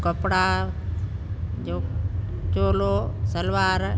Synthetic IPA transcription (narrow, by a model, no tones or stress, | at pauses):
kəpɽaː | d͡ʒoː | t͡ʃoːloːsəlʋaːɾ